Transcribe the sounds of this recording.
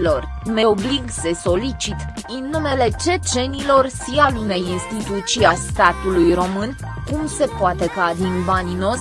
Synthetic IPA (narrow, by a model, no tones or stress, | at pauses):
lo̞r | me̞o̞bliɡse̞so̞lit͡ʃit̪ɨnːume̞le̞t͡ʃe̞t͡ʃe̞nilo̞rʃialune̞jinst̪it̪ut̪siast̪at̪ulujro̞mɨn | kumse̞poat̪e̞kad̪inbanino̞sʲ